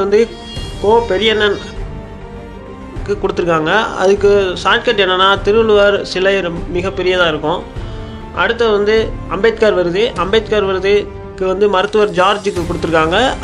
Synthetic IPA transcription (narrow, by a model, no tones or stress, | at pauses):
ɐnd̪ɯ | koːpɛɾɪjɐnːɐn | kːɯkʊɽɯt̪ːɯɾɯkːaːŋɡɐɐ̰ðɯkːɯsaːʈ̚kɐʈːɛnːɐnːaːt̪ɪɾɯɯɭɯʋaɾsɪlɐjɾmɪɣɐpːɛɾɪjɐðãːɪɾɯkːʊ̃ | ʔɐ̰ɽɯt̪ːɐʋɐnd̪ɯɐmbeːt̪̚kaːɾʋɐɾɯðɯʔɐmbet̪̚kaːɾʋɐɾɯðɯ | kːɯʋɐnd̪ɯmɐɾɯt̪ːɯʋɐɾd͡ʒaːɾd͡ʒɯkːɯkʊɽɯt̪ːɯɾɯkːaːŋɡɐ